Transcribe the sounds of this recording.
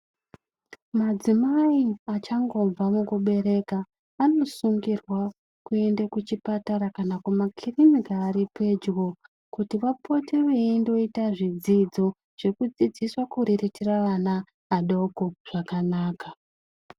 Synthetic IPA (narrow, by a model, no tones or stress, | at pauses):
mad͡zimaiat͡ʃaŋɡo̞vamukuɓe̞ɾe̞kaː | no̞suŋɡirwa | kue̞ndakut͡ʃipataɾakanakumakʰirimikaːɾipe̞d͡ʒwo | kutiʋapʰo̞tiʋeindo̞itaʐid͡zid͡zo̞ | ʐ̥ekud͡zid͡ziswakuɾiritiraʋanaː | ɗo̞koʐ̥akanaːka